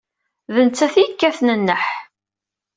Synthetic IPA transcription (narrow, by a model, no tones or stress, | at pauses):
ðənt͡sːæθjəkːæθnənːəħ